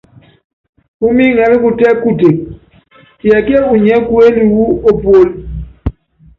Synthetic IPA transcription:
u˦mi˦ŋɛ˨ɾi˦ku˦˨tɛ˦ku˦te˨k̚ | jɛ˨ke˦u˨ɲɛ˦ku˦e˦li˨wu˦o˦po˦l

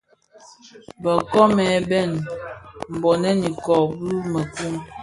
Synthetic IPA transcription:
bə˨kɔ˦mɛ˨bɛ˦˨n | m̩˨bɔ˨nɛ˦ni˨kɔ˨bu˦mə˨ku˦ŋ

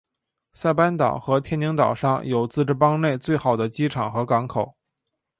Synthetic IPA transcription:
sa˥˩ɪpa˥nt̪ɑ̰˨˩ʊxɤ˧˥t̪ʰjɛ˥ni˧˥ŋt̪ɑ˨˩ʊʂɑ˥˩ŋjo˨˩ʊt͡sɹ̩˥˧ʈ͡ʂɻ̩˥˩pɑ˥ŋne˥˧ɪt͡swe˥˩ɪxɑ˨˩ʊd̪ə˦t͡ɕi˥ʈ͡ʂʰɑ˨˩ŋxɤ˧˥kɑ˧˥ŋkʰo˨˩˦ʊ

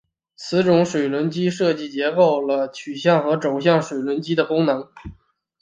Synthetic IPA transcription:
t͡sʰɹ̩˧˥ʈ͡ʂʊ˧˥ŋʂwe˨˩ɪlwə˧˥nt͡ɕi˥ʂɤ˥˧t͡ɕi˥˩t͡ɕjɛ˧˥ko˥˩ʊlə˩t͡ɕʰy˨˩ɕjɑ˥˩ŋxɤ˧˥ʈ͡ʂo˨˩ʊɕjɑ˥˩ŋʂwe˨˩ɪlwə˧˥nt͡ɕi˥d̪ə˨kʊ˥ŋnɤ˧˥ŋ

